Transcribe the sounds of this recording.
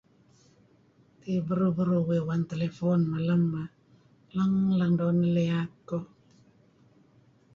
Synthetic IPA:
tebəɾobəɾowewantelefonmalamba | laŋlaŋdɔnəlejakːo

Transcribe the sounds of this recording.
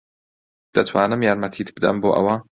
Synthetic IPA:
d̪̥ɐt̪ʰwɑːnɨmjaɾmɐt̪ʰiːt̪bɨd̪ɐ̰mboːʔɐ̰wɑː

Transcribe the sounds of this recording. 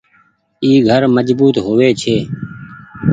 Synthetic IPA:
iːɡʱəɾməd͡ʒbuːt̪ɦoʋeːt͡ʃʰeː

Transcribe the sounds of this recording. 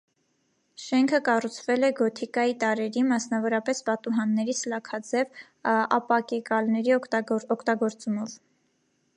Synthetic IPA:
ʃɛŋkʰəkɑrut͡sʰvɛlɛɡɔt̪ʰikɑjit̪ɑɾɛɾimɑsnɑvɔɾɑpɛsbɑt̪uɦɑnːɛɾit͡sʰlɑkʰɑd͡zɛv | ɑ̰pɑkɛkɑlnɛɾiɔkʰt̪ɑɡɔɾt͡sumɔv

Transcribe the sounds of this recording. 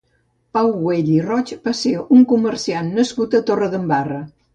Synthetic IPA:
pawɣweʎirɔt͡ʃbaseuŋkuməɾsianːəskut̪ət̪orəðəmbarə

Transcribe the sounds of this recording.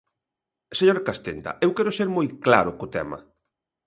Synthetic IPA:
seɲoɾakast̪ent̪ɐ̰ewkɛɾʊseɾmojkla̰ɾʊkʊt̪ɛ̰mɐ̰

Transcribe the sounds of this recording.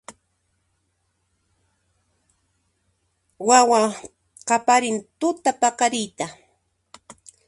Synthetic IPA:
wawa | qapaɾɪnt̪ʊt̪apakaɾɪjt̪a

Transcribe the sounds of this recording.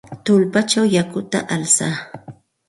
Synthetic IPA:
t̪ʊlpat͡ʃawjakʊt̪a̰ʔalsaː

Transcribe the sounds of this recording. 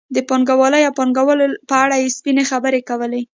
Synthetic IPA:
d̪əpɑŋɡawɑləjawpɑŋɡawəlpəaɽajespinexabəɾekawəle

